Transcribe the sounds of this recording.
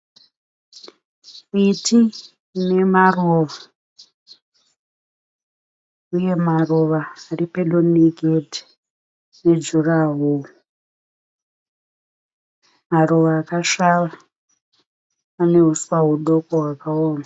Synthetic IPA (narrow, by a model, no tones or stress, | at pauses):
iti | ne̞maroʋa | uje̞maroʋaːripeɗoniɡʱedʱi̥ | ne̞d͡ʒuraɦuu | maroʋaːkaʃaʋa | ane̞ɦuswaɦuɗo̞koɦwakaoːma